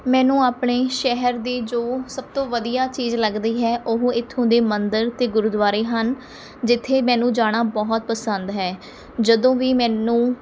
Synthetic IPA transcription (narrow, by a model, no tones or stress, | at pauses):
mɛ̃ːnũːaːpɳeːʃɛɦəɾd̪iːd͡ʒoːsəb̚t̪õːʋəd̪ijaːt͡ʃiːzləɡd̪iːɦɛːʔʊɦɪt̪ʰːʊ̃ːnd̪eːmənd̪əɾt̪eːɡʊɾd̪ʋaːɾiːɦən | d͡ʒɪt̪ʰːeːmɛ̃ːnũːd͡ʒaːɽ̃aːbɔɦt̪̚pəsə̃nd̪ɦɛː | d͡ʒəd̪õːʋiːmɛ̃ːnũː